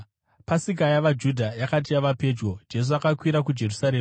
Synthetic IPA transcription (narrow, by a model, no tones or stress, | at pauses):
pasik̬ajaʋad͡ʒudʱajakat̬ijaʋape̞ːd͡ʒɡo̞d͡ʒe̞s̬uakakwiɾak̬ud͡ʒe̞rusaɾeːm